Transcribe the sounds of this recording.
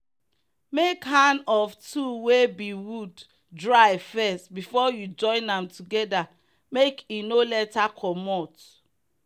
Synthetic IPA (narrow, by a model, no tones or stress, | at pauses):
mekhãnɔvtʰuwebiwud | dɹaɪvfɛstbifɔjud͡ʒɔ̃ɪ̃nãmtʰuɡɛda | mekinolɛtakʰɔmɔt